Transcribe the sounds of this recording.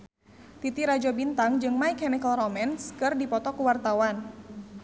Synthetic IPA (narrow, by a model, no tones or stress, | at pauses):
t̪it̪iɾad͡ʒɔbint̪aŋd͡ʒɨŋmajkɛnikəlrɔmɛnskɨrdipɔt̪ɔkuwart̪awan